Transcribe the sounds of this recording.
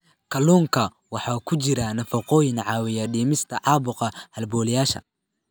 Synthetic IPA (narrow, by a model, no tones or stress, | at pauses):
kʰɐluːŋkʰɐ | wɑħɑːkʰʊt͡ʃɪɾɐnɐfɐqɔːjɪnʕɑːwɪjɐɖiːmɪst̪ʰɐʕɑːbʊqɐhɐlbɔːlɪjaːʃɐ̰